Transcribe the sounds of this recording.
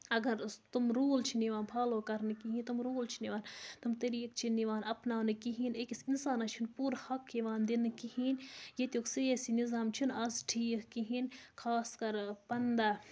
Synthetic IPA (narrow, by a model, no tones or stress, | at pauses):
ɐɡɐɾt̪umɾoːlt͡ʃʰiniʋaːnpʰaːloːkɐɾnɨkiɦĩnt̪umɾoːlt͡ʃʰiniʋaːnt̪umt̪eɾiːk̚t͡ʃʰiniʋaːnɐpnaːnɨkiɦinekisinsaːnɐt͡ʃʰunpuːɾhɐkːiʋaːnd̪inɨkihiːnjet̪ʲjoːkseːsinizaːmt͡ʃʰunɐzʈʰiːkkiɦinkʰaːskɐɾpɐnd̪aː